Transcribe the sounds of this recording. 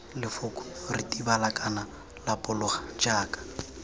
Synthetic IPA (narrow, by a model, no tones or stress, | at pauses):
lɪfʊkʼʊ̥ritʼibalakʼana | lapʼʊlʊχḁd͡ʒaːkʼḁ